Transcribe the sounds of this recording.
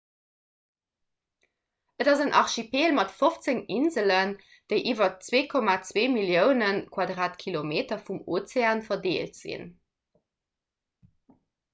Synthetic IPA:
ʔədɑzənʔɑ̰ʁʃipeːlmɑtfoft͡səŋinzələn | d̥əɪʔiːvɐt͡sweːkʰɔmaːt͡sweːmiljəʊnənkʰwɑdʁaːtkʰilomeːtɐfumot͡seaːnfɐdeːltz̥ḭn

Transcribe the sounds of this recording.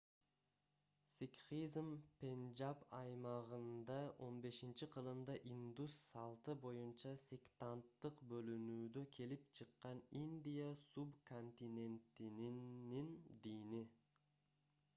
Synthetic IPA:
sikχizmpʲenʲd͡ʒapɑjmɑʁɯnd̪ɑʔo̞nbe̞ʃint͡ʃiqʰɯlˠɯmd̪ɑʔind̪usːɑlˠt̪ɯbo̞junt͡ʃɑsʲekt̪ant̪ːɯqbø̞lynyːd̪økʰe̞lip̚t͡ʃʰɯqːɑnind̪ʲijasubkʰo̞nt̪ʲinʲe̞nt̪ininind̪ijni

